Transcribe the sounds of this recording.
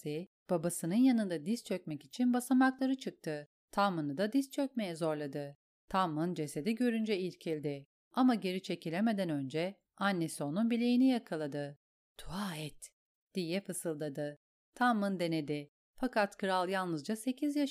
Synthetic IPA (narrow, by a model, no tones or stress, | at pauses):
i | b̥abasɯnɯnjanɯnd̪ad̪ist͡ʃʰøc̚mɛcit͡ʃʰinbasamaklˠaɾɯt͡ʃʰɯk̚t̪ʰɯ | t̪ʰamɯnɯd̪ad̪ist͡ʃʰø̞c̚me̞jɛzo̞ɾlˠad̪ɯ | t̪ʰamːɯnd͡ʒe̞se̞d̪iɟø̞ɾynd͡ʒɛilʲcʰilʲd̪ɪ | amaɟe̞ɾit͡ʃʰe̞cʰilʲeme̞d̪ænø̞nd͡ʒɛ | anːe̞sio̞nunbilʲejinijakʰalˠad̪ɯ | t̪ʰuaːɛt̪ | d̪̥ijɛfɯsɯlˠd̪ad̪ɯ | t̪ʰamːɯnd̪e̞ne̞d̪ɪ | fakʰat̪kʰɯɾalˠjalˠnɯzd͡ʒase̞cʰizja